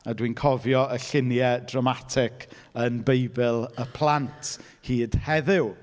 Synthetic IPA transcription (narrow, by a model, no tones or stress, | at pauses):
adwinkʰɔvjɔəɬɪnjɛdramatʰɪkʰ | ənbejbɪlˠəpʰl̥ˠantʰ | hiːd̥hɛðɪw